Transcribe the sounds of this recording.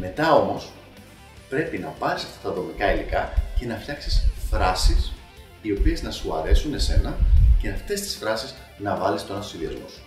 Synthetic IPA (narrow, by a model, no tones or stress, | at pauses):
me̞t̪ɐo̞mo̞s | pɾe̞pinɐpɐɾisɐft̪ɐ̥t̪ɐðo̞mikɐilikɐce̞nɐfçɐksisθɾɐsis | io̞pie̞znɐsuɐ̰ɾe̞sune̞se̞nɐce̞ɐft̪e̞st̪i̥sfɾɐsiz | nɐvɐlist̪oɐnstosiðiɐ̰zmosu̥